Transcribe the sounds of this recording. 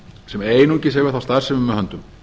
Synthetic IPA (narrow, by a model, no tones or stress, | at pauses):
sɛmeːjnucɪsevɪɾ̥θawst̪aːðsɛmʏmːɛhœnt̪ʏm